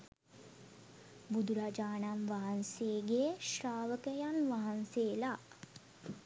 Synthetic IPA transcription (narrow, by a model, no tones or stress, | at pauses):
bud̪uɾaːd͡ʒaːnamʋaɦanseːɡeʃɾaːʋəkəjanʋaɦanseːla